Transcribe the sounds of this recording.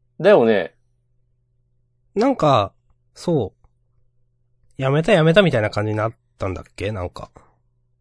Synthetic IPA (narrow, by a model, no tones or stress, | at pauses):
d̪ajone | nãŋka | so̞ː | jame̞t̪̬ajame̞t̪̬amʲit̪ainakãɲ̟d͡ʑiɲ̟inat̪ːãnd̪a̰kːe̞nã̰ŋka̰